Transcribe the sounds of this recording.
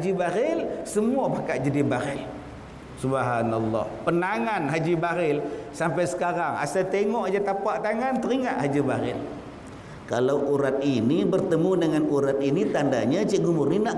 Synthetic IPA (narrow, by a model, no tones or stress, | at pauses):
d͡ʒibaɾɪlsəmuabakaʔd͡ʒadibaɾɪl | subɦanalːɔ̰hpənaŋanɦad͡ʒibaɾɪlsampajsə̥kaɾaŋa̰sat̪eŋɔʔd͡ʒat̪apaʔt̪aŋant̪əɾiŋaʔhad͡ʒibaɾɪ̰l | kalawuɾat̪̚inibərt̪əmudəŋanuɾat̪̚init̪andaɲat͡ʃiʔɡumʊrninaʔ